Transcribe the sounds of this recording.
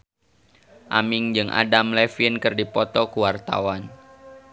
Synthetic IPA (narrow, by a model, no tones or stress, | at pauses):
ʔamɪŋd͡ʒɨŋʔa̰damlɛfinkɨrdipɔt̪ɔkuwart̪a̰wan